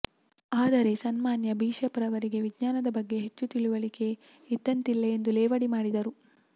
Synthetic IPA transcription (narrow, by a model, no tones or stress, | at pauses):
aːd̪ɐɾe̞sɐnmaːnjɐbiːʂɐpɐɾɐʋɐɾiɡe̞ʋiɡɲaːnɐd̪ɐbɐɡːe̞ɦet͡ʃːut̪iɭuʋɐɭike̞ | id̪ːɐnt̪ilːe̞ːnd̪ulɛːʋɐɽimaːɽid̪ɐɾu